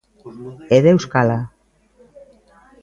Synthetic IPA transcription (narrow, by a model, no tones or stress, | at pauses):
eðewskala